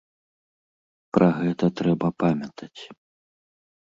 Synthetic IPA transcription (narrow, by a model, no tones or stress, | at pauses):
pɾʔɐɣɛt̪ɐt̪ɾɛbɐpamʲɐt̪ʰɐt͡sʲ